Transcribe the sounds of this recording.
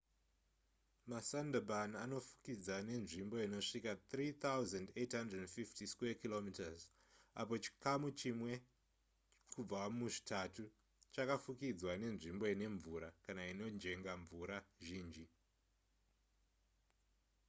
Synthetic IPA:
masandabanano̞fu̥kid͡zane̞nʐimbo̞ino̞ʂikat̪riːt̪ʰawzandetɦandrednfiftiskekilomitaz | a̰po̞t͡ʃi̥kamut͡ʃimwe̞ | kkub͡vamuʐi̥tʰatu | t͡ʃakafukid͡zwane̞nʐimbo̞ine̞ɱvuɾakanaino̞nd͡ʒe̞ŋɡaɱvuɾaʒiːnd͡ʒi

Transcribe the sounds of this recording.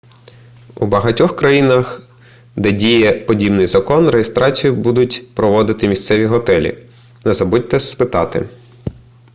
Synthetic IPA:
ṵbɐɦɐtʲɔxkɾɐjinɐx | d̪ɛdʲijɛpɔdʲibnɪjzɐkɔnrejest̪ɾɑt͡sʲijʊbud̪ʊtʲpɾɔʋɔd̪ɪt̪ɪmʲist̪sɛʋʲiɦɔt̪ɛlʲḭ | nɛzɐbud̚ʲt̪ɛsspɪt̪ɑt̪ɪ̰

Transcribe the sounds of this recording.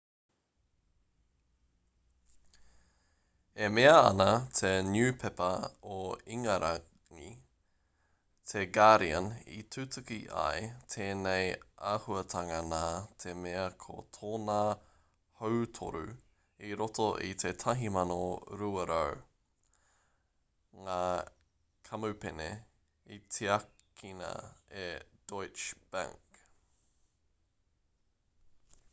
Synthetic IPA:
emeɐɐ̰nɐt̪ʰenjʉːpʰɛpɐoiŋɐɾʔa | ŋi | t̪ʰeɡaɾiənḭt̪ʰʉtʉkiʔa̰jt̪ʰeːnejʔaːhuɐt̪ʰɐŋɐnaːt̪ʰemeɐkʰo̰t̪ʰoːnaː | howtʰo̰ɾʉ | iɾotoʔḭt̪ʰetʰɐɦimɐnoɾuɐɾow | ŋaː | kʰɐmupenḛ | itʰeɐkkʰinɐ̰ed̥ojt͡ʃb̥ã̰ŋk

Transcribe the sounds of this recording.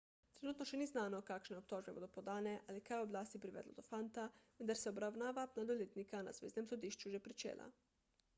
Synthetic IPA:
t̪ɾenuːt̪noʃɛniːznaːnokakʃneop̚t̪oːʒbeboːd̪opod̪aːneʔalikajoblaːst̪ipɾiʋɛ̰d̪lo̰d̪ofant̪aʋənd̪aɾsɛobɾawnaːʋapnad̪oleːt̪nikana̰zʋḛːznemsod̪iːʃt͡ʃuʒɛpɾit͡ʃḛːlʔa̰

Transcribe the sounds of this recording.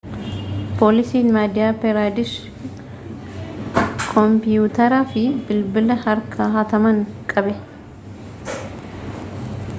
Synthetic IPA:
pʰoːlɪsiːnmaːd̪ɪjaːpɛɾaːd̪ɪʃ | kʰɔmpɪjuːt̪ɐɾaːfɪbɪlbɪlɐhɐɾkʰaːɦɐt̪ɐmɐŋkʼɐbɛ

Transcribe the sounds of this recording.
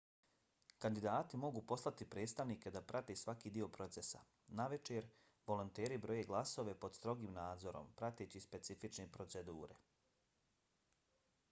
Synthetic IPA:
kand̪id̪aːt̪imo̞ɡuːpo̞slˠat̪ipɾe̞ːd̪st̪aʋniːke̞d̪apɾʔat̪esʋakiːd̪io̞pɾo̞t̪se̞sa̰ | naʋe̞t͡ʃeɾ | ʋo̞lo̞nt̪e̞ːɾibɾo̞jeɡlˠaso̞ʋepo̞d̪st̪ɾo̞ɡiːmnaːd̪zo̞ɾo̞̰mpɾat̪eːt͡ɕispe̞t̪sifit͡ʃnepɾo̞t̪se̞d̪uːɾe̞̰

